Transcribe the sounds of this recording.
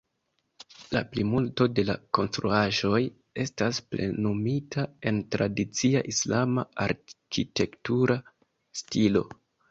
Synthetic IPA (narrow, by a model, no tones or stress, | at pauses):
la̰plimulto̞de̞lako̞nstɾuaʒo̞j | e̞stasple̞̰numitʰae̞ntɾadit͡sia̰ʔislamaaɾkite̞ktuɾa | stilo̞